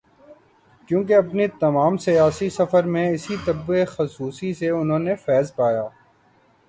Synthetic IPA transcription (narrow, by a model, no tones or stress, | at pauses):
kjũːk̬eɐpnit̪ɐmaːmsijaːsisɐfəɾmẽɪsit̪ɐbexɐsuːsiseʊnɦõːnefɛːzpaːjaː